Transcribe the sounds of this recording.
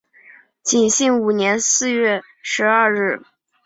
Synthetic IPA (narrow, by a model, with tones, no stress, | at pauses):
t͡ɕi˨˩nɕi˥˩ŋu˨˩njɛ˧˥nsɹ̩˥˧ɥɛ˥˩ | ʂɻ̩˧˥ɐ˞˥˧ɻɻ̩˥˩